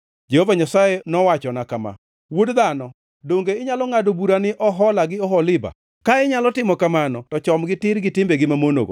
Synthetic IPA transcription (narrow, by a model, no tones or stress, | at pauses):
d͡ʒehovaɲasajenɔwat͡ʃɔnakama̰ | wodd̪anɔ | doŋɡeɪɲalɔŋadobuɾanɪʔɔɦɔlaɡɪɔɦɔlɪba̰ | kaɪɲalɔtɪmɔkamanɔtɔt͡ʃɔmɡɪtɪɾɡɪtɪmbeɡɪmamono̰ɡo̰